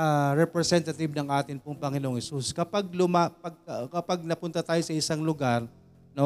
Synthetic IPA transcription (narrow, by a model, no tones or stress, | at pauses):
aɾɛpɾɛsɛnt̪ɐt̪ɪbnɐŋʔaːt̪ɪnpʊŋpɐŋɪnoʔoŋhɛsuskɐpaɡ̚lʊmapɐɡ̚kɐpaɡ̚nɐpʊnt̪ɐt̪aːjosɐɪsaŋlʊɡaɾ | no